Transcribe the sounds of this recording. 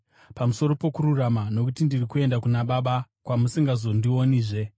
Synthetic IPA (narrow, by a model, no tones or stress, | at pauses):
pamuso̞ɾo̞po̞kuɾuramano̞kutindirikue̞ndakunaɓaɓakwamusiŋɡazo̞ndio̞niːʐe̞